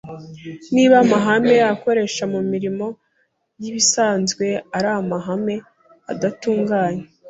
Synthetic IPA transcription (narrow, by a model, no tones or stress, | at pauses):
niːβamaɦame̞ako̞ɾe̞ʃamumiɾimo̞ | jiβisaːnzɡwe̞aɾamaɦame̞ | a̰datuːŋɡaːɲe